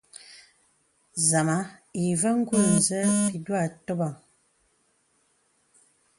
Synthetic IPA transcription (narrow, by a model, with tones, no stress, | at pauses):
za˨ma˨˦i˨və˦ŋ̩˦ɡu˦˨n̩˨zə˦pi˨dwa˦˨to˦ba˨ŋ